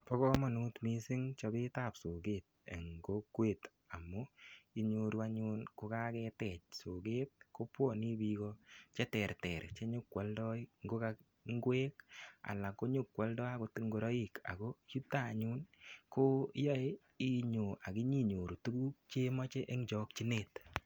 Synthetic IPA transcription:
pɔ˦kɔ˦ma˨nu˦tmi˦si˦ŋt͡ʃɔ˧be˦ta˨pso˨ɡe˨t̚ḛ˨ŋɡo˦kweː˦˨t | a˨mu˦i˦ɲo˧ɾu˦a˧ɲu˦nko˧ka˦kɛ˧tɛ˨t͡ʃ̚so˨ke˦t̚ko˦pwɔ˦˨ni˦bi˦kɔt͡ʃɛ˦tɛ˨rtɛ˨ɾt͡ʃe˦ɲo˦kːwɔ˨ldɔ˦iŋɡo˦ka˧ | ŋ˦ɡweː˦ka̰˨la˨ko˦ɲu˦kwɔ˨˦ldɔ˦a˦ko˧ti˦ŋɡo˨ɾɔ˦i˨ka̰˨ko˦ju˦tːa˦˨ɲu˦nko˦jɔ˦e˦ | i˦ɲo˨ʔa˨ki˦ɲi˦ɲo˨ɾu˨tu˦ɡu˦k̚t͡ʃe˦mɔ˦t͡ʃe˦ʔe˦ŋd͡ʒɔ˦k̚t͡ʃi˦ne˦t

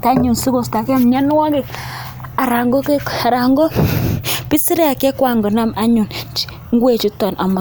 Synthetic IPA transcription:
ta˦ɲu˨nsi˦ko˨sta˨ke˦m˨ɲɛ˦n˦wa˦ɡe˨ | a˨ɾa˨ŋɡo˦ke˦ka˨ɾa˨ŋɡɔ˦ | pi˦si˦ɾe˦a˨ke˦kwa˨ŋɡɔ˨na˦ma˦ɲu˨nt͡ʃ | ŋɡwe˦˨t͡ʃi˦tɔ˨nʔa˨ma˨

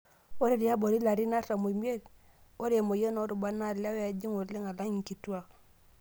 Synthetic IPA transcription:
o˦ɾi˨ɾi˨a˦bo˨ɾi˦la˨ɾi˦na˦ɾa˨mo˨mi˦e˦l | o˦ɾe˨mo˨je˦no˦ɾu˨ba˦na˦˨la˦wa˨d͡ʒi˦ŋo˨ɾli˦ŋa˨la˦ŋi˨ŋ˨ki˨tu˦a˦

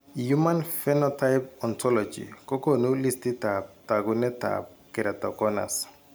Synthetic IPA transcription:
ju˦ma˦nfɛ˦nɔ˦ta˦jpɔ˨ntɔ˦lɔd͡ʒḭ˨kɔ˦ko˦nu˦li˦stɪ˦tap̚ta˨ɡunɛ˦ta̰p̚kɪ˨ɾɛ˨tɔ̰˨kɔ˦na̰˨s

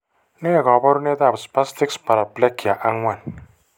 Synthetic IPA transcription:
ne˦˨ɡɔ˨ba˦ɾu˦ne˦d̪a˦˨bspa˦sti˦kspa˨ɾa˨ble˦ki˨a˨ʔa˦ŋwa˦˨n

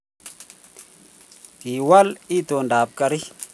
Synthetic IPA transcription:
ki˨wa˦li˦to˨nda˨b̚ka˨ɾi˦

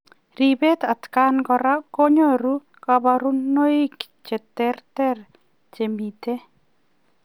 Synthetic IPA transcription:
ri˨be˦t̪a˨t̪ka˦nɡɔ˦ɾa˦ko˦ɲo˦ɾu˦ | ka˨ba˨ɾu˦no˦ɪ˦k | t͡ʃe˨t̪ɛ˦rtɛ˦r | t͡ʃe˨mi˨te˦

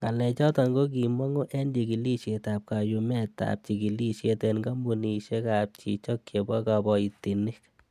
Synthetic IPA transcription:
ŋa˨lɛ˨t͡ʃɔ˦tɔ˧ŋɡo˦k̬i˨mɔ˦ŋo˦ʔɛ˦ndi˨ki˨li˦ʃje˨ta˨p̚ka˨ju˧mɛ˦ta̰p̚t͡ʃi˨ki˨li˦ʃe˧tɛ˧nɡa˦mu˨ni˨ʃe˦ka˨p̚t͡ʃḭ˨t͡ʃɔ˦kje˨bɔ˦ka˨bɔ˨i˨ti˨ni˦k

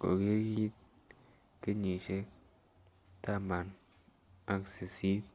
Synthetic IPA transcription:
ko̰˨ɡe˦ɾji˦t̪̚ | ke˦ɲi˨ʃe˦ | ta˦ma˨n | a˦kse˨si˦t̚

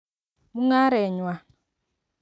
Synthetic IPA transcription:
mu˦ŋa˦ɾɛ˨ɲwa˨

